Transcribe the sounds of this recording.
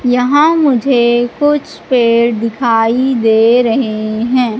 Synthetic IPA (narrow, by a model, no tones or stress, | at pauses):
jɐɦãmʊd͡ʒʱekʊt͡ʃʰpeːɾd̪ɪkʰaːid̪eːɾɐɦeɦɛ̃ː